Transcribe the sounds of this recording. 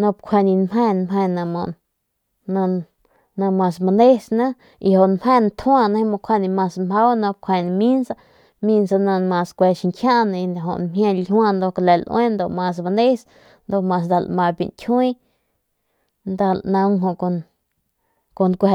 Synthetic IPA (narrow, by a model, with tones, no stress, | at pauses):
nõ˧pkʷʰe˧˨nĩ˧nmẽ˧nmẽ˧nã˧mõ˧ | nã˧ | nã˧mã˧sma˧nd̪e˦snã˦ | i˧ho˨ʔnmhẽ˧nt̪ʰũ˦ã˧nã˧˦˧mõ˧kʷʰe˧nĩ˧mã˧sma˦wnõ˧p̚kʷʰe˧˨nĩ˧mĩ˦nsa˧ | mĩ˧nsa˧nã˧mã˧skʷe˧ʃi˧ŋkʰjã˦nã˧i˧nd̪a˨ɦo̰˧˨ʔnmjã˧lhw̃ã˧nd̪o˧kle˨lʔwʔẽ˦nd̪o˧ʔmã˧s̬ma˧nd̪e˦s | nd̪o˧˨mã˧snd̪a˧˨lmã˧bḭ˨ntʲʰwĩ˦ | nd̪a˧lʔnã˧ŋɦõ˧ʔko˧ | ko˧nkʷ